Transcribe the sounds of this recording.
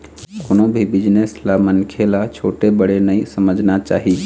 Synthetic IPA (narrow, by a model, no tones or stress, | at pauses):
konobʱibid͡ʒneslamənkʰelat͡ʃʰoʈebəɽenəjsəməd͡ʒʱnat͡ʃa̰ɦi